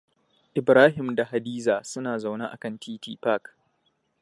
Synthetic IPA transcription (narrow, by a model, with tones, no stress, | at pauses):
ʔɪ˨bɾaː˦ɦɪ˨mda˨ha˨diː˦zaː˨sʊ˦naː˨za˨wna˦ʔa̰˨kɐ˦˨ntʰiː˦tiː˦pa˦˨k